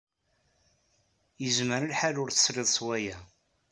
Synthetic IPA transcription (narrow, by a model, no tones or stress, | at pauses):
jəzməɾəlħalʊɾθə̥sɾɪðˤswæjæ